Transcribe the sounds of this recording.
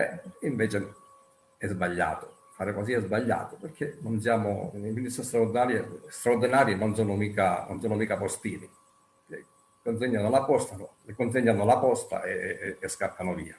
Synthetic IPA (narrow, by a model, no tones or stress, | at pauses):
bɛ̰iɱvɛːt͡ʃɪ | ɛzbaʎːa̰ːt̪ʊ | faːɾɪkɔs̬iɛzbaʎːa̰ːt̪ʊperkʰːenɔnsjaːmʊ̰eminist̪ast̪ɾaʊɾd̪inaːɾjest̪ɾauɾd̪inaːɾjenɔnsɔːnʊmiːkanɔ̰nsɔːnʊmiːkapɔst̪iːnɪ | kḛ | kːont̪̬eɲːanʊlapɔst̪anʊlɪkont̪̬eɲːanalapɔst̪a̰ʔeːskapʰːanʊvḭːa